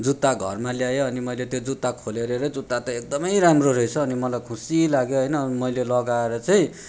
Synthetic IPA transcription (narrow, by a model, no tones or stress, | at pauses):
d͡zut̪ːaɡʱʌrmaljajoːnimʌjlet̪jod͡zut̪ːakʰoleɾeɾʌd͡zut̪ːat̪ʌek̚d̪ʌmʌjɾamroɾʌit͡sʰʌːnimʌlajkʰũsilaɡjoɦʌjnʌnmʌjlelʌɡaeɾʌt͡sʌj̃